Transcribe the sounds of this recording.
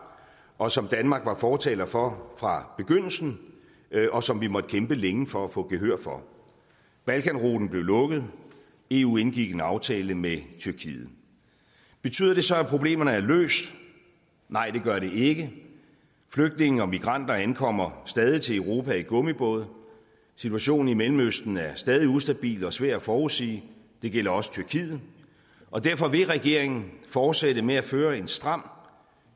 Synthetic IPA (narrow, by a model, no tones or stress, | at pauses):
ʔɒ̽sɒ̽md̥ænmɑ̈ːɡ̥ʋɑ̈fɒːt͡sʰɛ̰ːlɐfɒfʁɑ̈b̥e̝ɡ̥øn̰l̩sn̩ | ʔɒ̽sɒ̽mʋimɒ̽d̥ə̥kʰemb̥əleŋfɒ̽æfɔ̽ɡ̥e̝ɦøɐ̰fɒ̽ | b̥ælkʰænʁo̝̰ːd̥n̩b̥le̝ʊlɔ̽ɡ̥əð̞̩ˠ | e̝ːṵe̝nɡ̥iɡ̥e̝nɑ̈ʊt͡sʰɛ̰ːləmet͡sʰyɐkʰḭːð̩ˠ | b̥e̝t͡sʰy̰ðˠɐd̥e̝sɒ̽æpʰʁob̥le̝̰ːmɐnəæɐlø̰ːsd̥ | nɑ̈ɪ̰d̥e̝ɡ̥ɶɐɾe̝e̝ɡ̥ə | fløɡ̥̚d̥ne̝ŋn̩ɒ̽miɡ̥ʁɑ̈n̰d̥ɐænkʰɒ̽m̰ɐsd̥ɛːð̞ˠit͡sʰe̝eʊʁo̝ːpʰæiɡ̥ɔ̽mib̥ɔ̽ːð̞ˠ | sit͡sʰuæɕo̝̰ːn̩imelm̩øsd̥n̩æɐsd̥ɛːð̞ˠiusd̥æb̥ḭːlɒ̽sʋæɐ̰d̥æfɒːusḭː | d̥e̝ɡ̥el̰ɐɒ̽sə̥t͡sʰyɐkʰiːð̩ˠ | ɒ̽d̥æɐfɒ̽ʋe̝ʁɛɡ̥e̝ɐ̰e̝ŋn̩fɒːd̥seɾəmeæføːɐe̝nsd̥ʁɑ̈m̰